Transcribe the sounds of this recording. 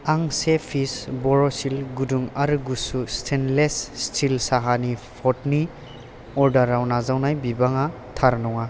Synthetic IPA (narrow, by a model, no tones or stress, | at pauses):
aŋsepʰisbɔɾosilɡuduŋaɾɡusustʰenlesstʰilsaɦanipʰɔtni | ɔɾdaɾawnazawnajbibaŋa | tʰaɾnɔŋa